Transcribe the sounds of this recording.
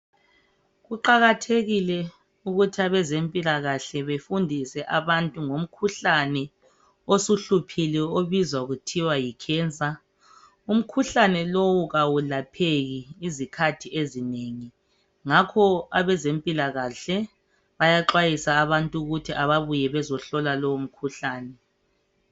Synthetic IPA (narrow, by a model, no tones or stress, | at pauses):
ɣuǃaɣatʰeɣilɛ | uɣutʰiaβɛzempʼilaɣaɬɛβefundʱisɛʔaβantʼuŋom̩kʰuɬanɛ | osuɬupʰilɛoβizwaɣutʰiwajikʰɛːnt͡sʼa | um̩kʰuɬanɛlowuɣawulapʰeɣiːzikʰatʰiezineŋi | ŋakʰɔaβɛzempʼilaɣaɬɛ | βajaǁwajisaːβantʼuɣutʰiʔaβaβujɛβɛzɔɬɔlalɔwum̩kʰuɬaːnɛ